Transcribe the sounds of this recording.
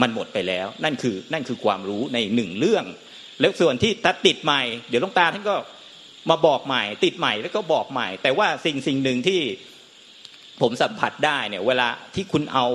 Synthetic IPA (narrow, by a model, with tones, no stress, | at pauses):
ma˧nmo˨˩t̪̚pa˧jlɛː˦˥wna˥˩nkʰɯː˧na˥˩nkʰɯː˧kʰwaː˧mɾuː˦˥na˧jnɯ˨˩ŋɾɯ˥˩əŋ | lɛː˦˥wsu˨˩ənt̪ʰiː˥˩t̪ʰaː˧˥˩t̪i˨˩t̪̚ma˨˩jdi˨˦wt̪ɔ˥˩t̪aː˧t̪ʰa˥˩nkɔː˥˩ | maː˧bɔː˨˩k̚ma˨˩jt̪i˨˩t̪̚ma˨˩jlɛː˦˥wkɔː˥˩bɔː˨˩k̚ma˨˩jt̪ɛː˨˩waː˥˩si˨˩ŋsi˨˩ŋnɯ˨ŋt̪ʰiː˥˩ | pʰo˩˦msa˨˩˦mpʰa˨˩t̪̚daː˥˩jni˧˩əweː˧laː˧t̪ʰiː˥˩kʰu˧nʔa˧w